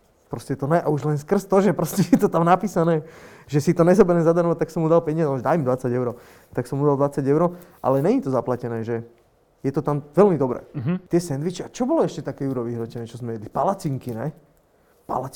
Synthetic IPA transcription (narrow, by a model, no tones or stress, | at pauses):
pɾɔscɛt̪ɔnɛʔauʒlɛnskr̩st̪ɔʒɛpɾɔscɛjɛt̪ɔt̪amnapiːsanɛːʒɛsit̪ɔɲɛzɔbɛɾɛmzad̪aɾʋat̪aksɔmːud̪alpɛɲɪazɛʒd̪aimd̪ʋat͡saɟɛʊɾɔ | t̪aksɔmud̪alˠd̪ʋat͡saɟɛʊɾɔʔa̰lɛɲɛɲit̪ɔzaplacɛnɛːʒɛ | jɛt̪ɔt̪amʋɛlmid̪ɔbɾɛ̰ːt̪ɪɛsɛnd̪ʋit͡ʃɛat͡ʃɔbɔlɔɛʃcɛt̪akɛːjuɾɔʋiɦɾɔcɛnɛːt͡ʃɔzmɛʋɛd̪lipalat͡siŋkinɛ̰ | pa̰la